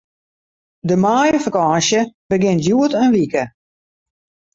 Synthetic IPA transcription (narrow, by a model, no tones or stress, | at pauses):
dəmaːjəfakɔːnsjəbəɡɪntjuətənʋikə